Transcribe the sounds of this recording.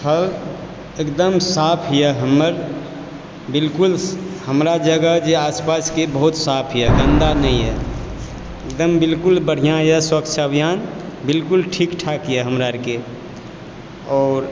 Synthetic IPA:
pʰəl | ekd̪əmsaːpʰɦijɛɦəmːəɾ | bɪlkʊlhəmɾad͡ʒəɡəd͡ʒeaːspaskebəɦʊt̪saːpʰɦijɛɡə̃nd̪anəĩɦɛ | ek̚d̪əmbɪlkʊlbəɽ̤ijãjɛswəkt͡ʃʰəbʱijaːnbɪlkʊlʈʰikʈʰakjɛɦəmɾaɾke | ɔːɾ

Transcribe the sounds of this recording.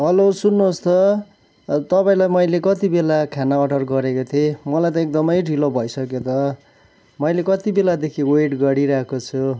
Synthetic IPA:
ɦʌlosunːoost̪ʰʌ | t̪ʌpaĩlajmʌjlekʌt̪ibelakʰanaʌɖʌrɡʌɾekot̪ʰemʌlajt̪ʌek̚d̪ʌmʌjɖʱilobʱʌjsʌkjet̪ʌ | mʌjlekʌt̪ibelad̪ekʰiweʈɡʌɽiɾʌɦkot͡sʰu

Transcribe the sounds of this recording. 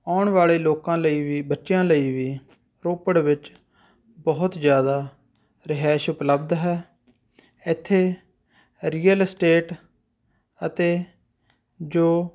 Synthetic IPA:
aːɳʋaːɭeːloːkãːləiːʋiːbətːʃjãːləiːʋiː | ɾoːpəɽʋɪt͡ʃ | bɔɦʊt̪d͡ʒjaːd̪aː | ɾɪɦɛːʃʊpləbd̪ɦɛː | ɪt̪ʰːeː | ɾiːəlsʈeːʈ | ət̪eː | d͡ʒoː

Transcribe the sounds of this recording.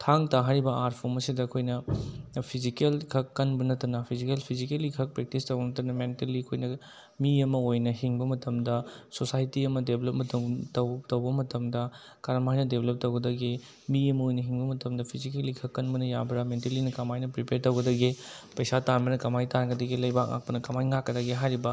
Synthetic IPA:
tʰaŋtaɦɐɾibɐaɾt̚pʰomɐsidɐːkʰojnɐpʰizikelkʰɐkːɐnbɐnɐtɐnɐpʰizikelpʰizikelikʰɐk̚pɾek̚tistɐwɡɐnɐtɐnɐmenteliɐkʰojnɐ | miɐmɐojnɐɦiŋbɐmɐtɐmdɐsosajtiɐmɐdeblɐp̚mɐtɐtɐwtɐwbɐmɐtʰɐmdɐ | kaɾɐmajnɐdebelep̚tɐwɡɐdɐɡi | miɐmɐojnɐɦiŋbɐmɐtɐmdɐpʰizikelːikʰɐkːɐnbɐnɐjabɾɐmentelinɐkɐmajnɐpɾipeɾtɐwɡɐdɐɡi | pɐjsatanbɐnɐkɐmajtanɡɐdɐɡilɐjbak̚ŋa̰k̚pɐnɐkɐmajŋakːɐdɐɡiɦajɾibɐ

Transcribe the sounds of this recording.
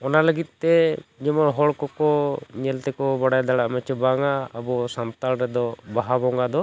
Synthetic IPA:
ɔnaləɡit̪̚ˀt̪ɛd͡ʒɛmɔɦɔɭkɔkɔɲɛlt̪ɛkɔbaɽajd̪aɽaʔmɛt͡ʃɔbaŋaːbɔsant̪alɾɛd̪ɔbaɦabɔŋɡad̪ɔ

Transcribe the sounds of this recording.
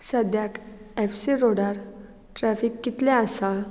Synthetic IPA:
səd̪jakefsiɾoɽaɾ | ʈɾæfikːit̪lɛ̃asaɭ

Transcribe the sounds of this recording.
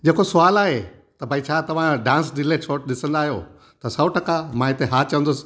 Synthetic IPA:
d͡ʑeːkosʊaːlaːɦe | t̪ɐbʱaːit͡ɕʰaːt̪ɐʋ̤ãɖãːnsɗɪlet͡ɕʰoːʈɗɪsə̃nd̪aːɦijo | t̪ɐsɐʋʈʰɐkamãɪt̪eɦaːt͡ɕɐʋə̃nd̪ʊs̆

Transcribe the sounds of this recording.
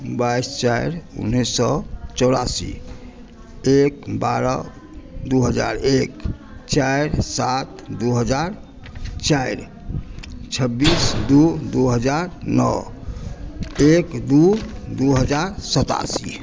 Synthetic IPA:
bajst͡ʃaiɾṵnːisɔt͡ʃɔʊɾasḭ | ek̚baɾə̰ | d̪uɦəd͡ʒa̰ɾekt͡ʃajɾsat̪d̪uɦəd͡ʒaɾ | t͡ʃajɾ | t͡ʃʰəbːisd̪ud̪uɦəd͡ʒaɾnɔ̰ | ekd̪ud̪uɦəd͡ʒaɾsət̪a̰sḭ

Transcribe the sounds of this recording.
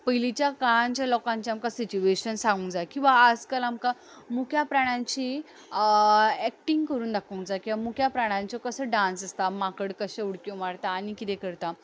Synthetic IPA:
pəɦilit͡ɕjakaɭãɲt͡ɕjalɔkãɲt͡ɕiamkasit͡ɕueɕənsãŋɡũŋd͡zajkĩw̃ʋaːd͡zkalamka | mukʰjapɾaɽ̃ãɲt͡ɕi | ɛk̚ʈiŋɡkəɾuːnd̪akʰũŋd͡zajkĩw̃ʋamukʰjapɾaɽ̃ãɲt͡ɕɔkəsəɖãnsəst̪amakəɽkəɕẽuɽkõmaɽt̪aːñikit̪ɛ̃kəɾt̪a

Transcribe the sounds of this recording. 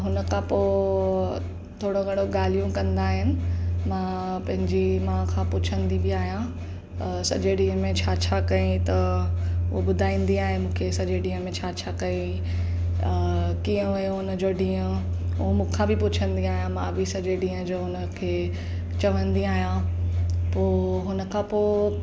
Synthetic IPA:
ɦʊnə̆kʰãːpoː | t̪ʰoːɽoɡɐɽoɡaːl̤ijũkɐ̃nd̪aːɦɪnɪ̆mãːpɐ̃ɦɪ̃ɲd͡ʑimãːkʰãpʊt͡ɕʰə̃nd̪ibiaːɦijã | sɐ̰d͡ʑeɖĩːə̃mẽt͡ɕʰaːt͡ɕʰaːkɐĩt̪ɐʊɦobʊd̪ʱaːĩːn̆d̪iaːɦemũːkʰesɐd͡ʑeɖĩːə̃mẽt͡ɕʰaːt͡ɕʰakɐĩ | kiə̃ʋɐjõɦʊnəd͡ʑoɖĩːə̃ | ɦomũːkʰãːbɪpʊt͡ɕʰə̃nd̪iaːɦijãmãːbɪsɐd͡ʑeɖĩːə̃d͡ʑoːɦʊnə̆kʰeː | t͡ɕɐʋə̃nd̪iaːɦijã | poːɦʊnə̆kʰãːpoː

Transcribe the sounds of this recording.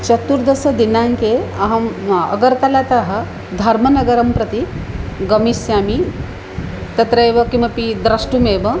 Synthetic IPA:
t͡ʃɐt̪uɾd̪ɐsɐd̪inaŋkeɐɦɐmɐ̰ɡɐɾt̪ɐlat̪aɦɐ̆ | d̪ʱɐɾmɐnɐɡɐɾɐmpɾɐt̪iɡɐmisjaːmi | t̪ɐt̪ɾɐjʋɐkĩmʋɐpid̪ɾɐʂʈumeːʋɐ

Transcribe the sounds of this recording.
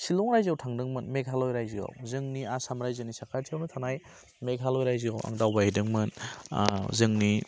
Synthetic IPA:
silɔŋɾajziawtʰaŋdɯŋmɯnmekhalɔjɾajzia̰wzɯŋniasamɾajzɯnisakʰatʰiawnɯtʰanaj | mekɦalɔjɾajziawa̰ŋdawbaidɯŋmɯn | zɯŋni

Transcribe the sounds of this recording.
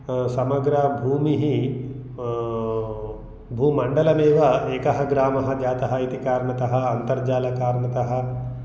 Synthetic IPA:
sɐmɐɡɾɐbʱuːmiɦi | bʱuːmɐɳɖɐlɐmeːʋɐeːkɐɦɐɡɾaːmɐɦɐd͡ʒaːt̪ɐɦɐit̪ikaːɾɳɐt̪ɐɦɐ̆ɐnt̪ɐɾd͡ʒaːlɐkaːɾɳɐt̪ɐɦɐ̆

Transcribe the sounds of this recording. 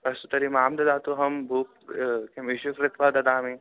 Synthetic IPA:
ɐst̪ut̪ɐɾimaːmd̪ɐd̪aːt̪uɦɐmbʱuːp | kemiʃukɾɪt̪ʰʋaːd̪ɐd̪aːmĩ

